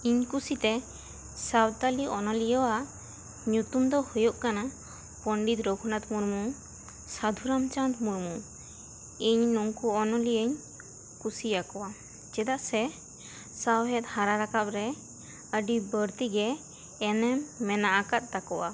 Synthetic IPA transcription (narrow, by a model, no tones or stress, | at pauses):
iɲkusit̪ɛ | sawt̪aliʔɔnɔlijəwa | ɲut̪umd̪ɔhujoʔkana | pɔɳɖit̪ɾɔɡʰʱunat̪muɾmu | sad̪ʱuɾamt͡ʃant̪muɾmu | iɲnɔŋkuɔnɔliəɲ | kusijakɔwa | d͡ʒɛd̪aʔsɛ | sawɦɛt̪̚haɾaɾakap̚ɾɛ | əɖibəɾt̪iɡɛː | nɛmːɛnaʔakat̪̚t̪akɔwa